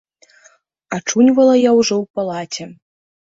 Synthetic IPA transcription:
at͡ʂunʲvɐlˠɐjawʐɔwpalˠat͡sʲɛ

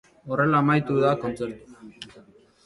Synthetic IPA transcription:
o̞re̞laːmajt̪uðako̞nt͡seɾt̪u̥

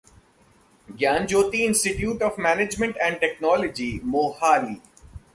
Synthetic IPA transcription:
ɡjaːnd͡ʒoːt̪iɪ̃nsʈɪʈjuːʈɔːfmɛːned͡ʒmə̃ɳʈɛ̃ːɳɖ̚ʈɛknɔːləd͡ʒiːmoːhaːɾiː

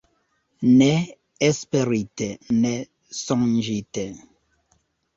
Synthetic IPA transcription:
nɛ | ɛspeɾitenɛ | sɔŋd͡ʒite

